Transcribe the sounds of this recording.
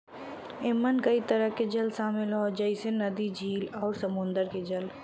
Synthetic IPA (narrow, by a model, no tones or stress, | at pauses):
ɪmːənkɐit̪ɐɾəɦked͡ʒɐlsaːmɪlɦod͡ʒəisenɐd̪id͡ʒiːlɔːɾsɐmʊ̃nd̪əɾked͡ʒɐl